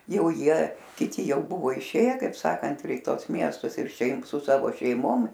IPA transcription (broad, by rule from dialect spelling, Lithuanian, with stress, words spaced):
ˈjɛʊ ˈjiɛ kʲɪˈtʲɪ ˈjɛʊ ˈbʊʋoː ɪˈʃʲeːjɛ kɐɪp ˈsɑːkɐnt ɪr ɪ ˈtuɔs ˈmʲiɛstʊs ɪr ˈʃʲɛɪp sʊ ˈsɑːʋoː ʃʲɛɪˈmoːm